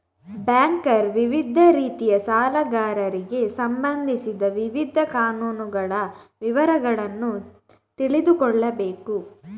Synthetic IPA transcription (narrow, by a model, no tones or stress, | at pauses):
bjaːŋkɐɾʋiʋid̪ʱɐɾiːt̪ijɐsaːlɐɡaːɾɐɾiɡe̞sɐmbɐnd̪ʱisid̪ɐʋiʋid̪ʱɐkaːnuːnuɡɐɭɐʋiʋɐɾɐɡɐɭɐnːu | t̪iɭid̪ukɔɭːɐbe̞ːku